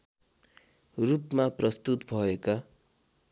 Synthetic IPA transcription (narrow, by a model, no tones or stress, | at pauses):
rupmaprʌst̪ut̪bʱʌeka